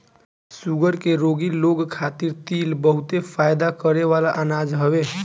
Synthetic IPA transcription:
suɡəɾkeɾoɡiloɡkʰat̪iɾt̪ilbəɦut̪epʰajd̪akəɾeʋalaʔanad͡ʒɦəbe

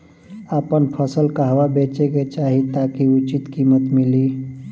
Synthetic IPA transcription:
apənpʰəsəlkaɦwabeːt͡ʃeket͡ʃaːɦit̪aːkiʊt͡ʃit̪kiːmət̪mɪliː

